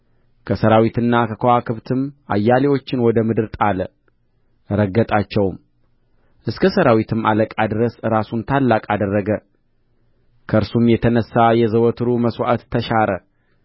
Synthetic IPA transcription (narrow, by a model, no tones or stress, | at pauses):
kʰəsəɾawit̪ɨnːakʰəkʰoakʰɨβt̪ʰɨmʔa̰jːalewo̞t͡ʃːɪnwɔd̪əmɨd̪ɨɾt̪ʼalə | ɾəɡət̪ʼat͡ʃːɛwm | ʔɨskʰəsəɾawit̪ʰɨma̰ləkʼad̪ɨɾəsɨɾasunt̪ʰalːakʼad̪ərːəɡə | kʰəʔɨɾsumjɛt̪ʰənəsːajɛzəwɔt̪ʰɨɾuməswaʔat̪ːʰəʃaɾə